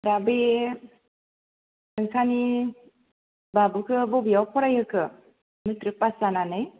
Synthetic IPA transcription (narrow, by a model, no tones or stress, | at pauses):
ɾabe | ɯŋkʰani | babukʰɯbɔbijawpʰɔɾajɯkʰɯ | mɯtɾɯk̚pasananɯj